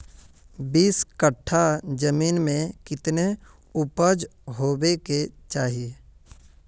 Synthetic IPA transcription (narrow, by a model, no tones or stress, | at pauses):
biːskəʈʰːad͡ʒəmiːnmẽkɪt̪ne | ʊpəd͡ʒɦoːbeket͡ʃaːɦie